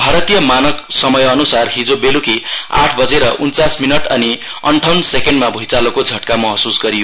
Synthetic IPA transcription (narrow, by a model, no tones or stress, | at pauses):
bʱaɾʌt̪ijʌmanʌksʌmʌjʌnusarɦid͡zobelukia̰ʈʰbʌd͡zeɾʌʔunt͡sasminʌʈʌ̰ni | ʌɳʈʰawnsekeɳɖmabʱujt͡salokod͡zʱʌʈkamʌɦʌsusɡʌɾijo